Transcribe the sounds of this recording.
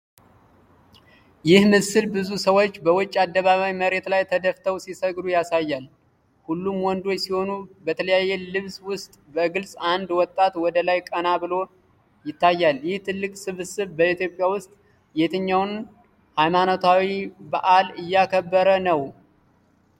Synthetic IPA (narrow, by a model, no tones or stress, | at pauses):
jɪhmɨsɨlbɨzusəwo̞t͡ʃːbəwʊt͡ʃʼːad̪ːəβaβawiməɾe̞t̪lajt̪ʰəd̪əft̪ʰəwsisəɡd̪ujasajːal | hulːumwɔnd̪o̞t͡ʃːsiho̞nubət̪ʰələjajːelɨβswʊst̪ʼbəɡɨlsʼand̪wɔt̪ʼːat̪wɔd̪əlajkʼənabɨlo̞ | jɪt̪ːajːaljɪht̪ʰɨlːɨkʼsɨβsɨβbəit̪jo̞pʼjawʊst̪ʼ | jet̪ʰɨɲːawn | hajmanot̪ʰawibaʔalɨjːakʰəbːəɾənəw